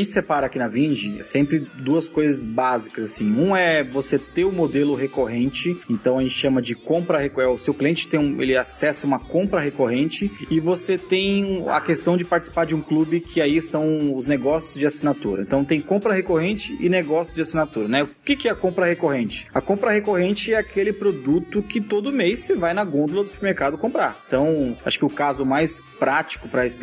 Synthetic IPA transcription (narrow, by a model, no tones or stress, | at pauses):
aʒẽnt͡ʃɪ̥sepaɾɐakinɐvĩʒisẽmpɾɪd̪uɐskojzɐzbazikɐzasĩũɛvoset̪eɾʊmod̪elʊɦekoɦẽnt͡ʃɪẽnt̪ɐ̃w̃ɐʒẽt̪t͡ʃɪʃɐ̃mɐd͡ʒɪkõpɾɐhekɛʊsewkliẽnt͡ʃɪ̥t̪ẽj̃ũḛlɪasɛsɐũmɐkõpɾɐɦekoɦẽnt͡ʃɪɪvoset̪ẽj̃ɐ̰kest̪ɐ̃w̃d͡ʒɪpaɾt͡ʃɪsi̥paɾd͡ʒɪũklubɪkʰɪaisɐ̃w̃ʊzneɡɔsjʊzd͡ʒɪasinat̪ṵɾɐ̰ḛ̃nt̪ɐ̃w̃t̪ẽj̃kõmpɾɐhekoɦẽnt͡ʃɪɪ̰neɡɔsjʊd͡ʒɪasinat̪uɾɐnɛʊʊkɪkɪɛɐkõmpɾɐhekoɦẽnt͡ʃɪ̥ɐkõpɾɐhekoɦẽnt͡ʃɪɛakʰelɪpɾod̪ut̪ʊkɪt̪od̪ʊmejsevajnɐɡõd̪ʊlɐd̪ʊsu̥peɾmeɾkad̪ʊkõmpɾa̰ɾẽt̪ɐ̃w̃aʃʊ̥kɪʊkazʊmajspɾat͡ʃi̥kʊpɾɐesp